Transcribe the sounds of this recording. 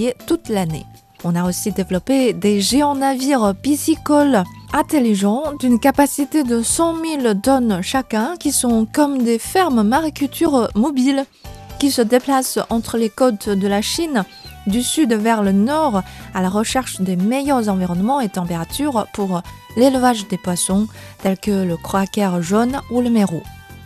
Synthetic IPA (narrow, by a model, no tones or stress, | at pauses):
et̪ut̪lane | ɔ̃naosid̪evlɔped̪eʒeɑ̃naviʁpisikɔlɛ̃t̪eliʒɑ̃d̪ynkapasit̪ed̪əsɑ̃milt̪ɔnʃakʲɛ̃kʲisɔ̃kɔmd̪efɛʁmmaʁikʲylt̪ʰyʁmɔbil | kʲisəd̪eplasɑ̃t̪χəlekot̪d̪əlaʃin | d̪ysyd̪vɛʁlənɔʁalaʁəʃɛʁʃd̪emejœʁzɑ̃viʁɔnmɑ̃et̪ɑ̃peʁat̪yʁpuʁ | lelvaʒd̪epwasɔ̃t̪ɛlkələkχɔakʲɛʁʒonuləmeʁo